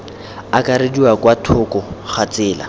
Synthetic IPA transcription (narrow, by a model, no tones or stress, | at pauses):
akaɾediwakwatʰʊkɔχat͡sɪːla̰